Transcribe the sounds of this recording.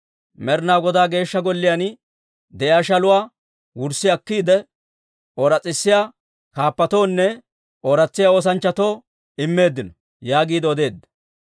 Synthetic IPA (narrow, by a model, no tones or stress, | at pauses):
mɛɾnaːɡɔd̪aːɡe̞ːʃːɐɡɔlːɪjan | d̪ɛjaːʃɐlʊwaː | wʊɾsːɪjɐkːiːd̪ɛ | oɾɐt͡sʼːɪsːɪjaː | kaːpːɐt̪o̞ːnːɛ | oɾɐt͡sːɪjaoːs̬ɐnt͡ʃːɐt̪oː | ɪmːe̞ːd̪ːɪnɔ | jaːɡiːd̪ɛɔd̪e̞ːd̪ːɐ̥